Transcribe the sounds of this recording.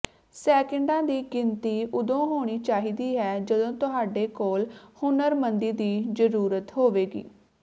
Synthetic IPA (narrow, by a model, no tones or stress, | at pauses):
sɛːkəɳɖãːd̪iːɡɪnt̪iːʔʊd̪õːɦoːɽ̃iːt͡ʃaːɦiːd̪iːɦɛːd͡ʒəd̪õːt̪ʊɦaːɖeːkoːlhʊnəɾmənd̪iːd̪iːd͡ʒəɾuːɾət̪ɦoːʋeːɡḭː